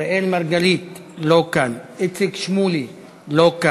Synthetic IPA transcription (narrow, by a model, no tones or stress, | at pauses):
ʔelmaɾɡalit̪ | lokanet͡sekʃmuli | loka